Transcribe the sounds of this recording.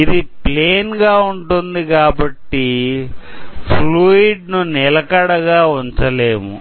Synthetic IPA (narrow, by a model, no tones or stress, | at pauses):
id̪ipleːnɡaːuɳʈund̪ikaːbɐʈːi | pʰluːiɖ̚nunɛlɐkɐɽɐɡaːuɲt͡ʃɐleːmṵ